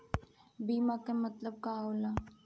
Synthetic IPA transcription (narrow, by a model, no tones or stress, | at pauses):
biːmakamɐt̪ləb̚kaːoːla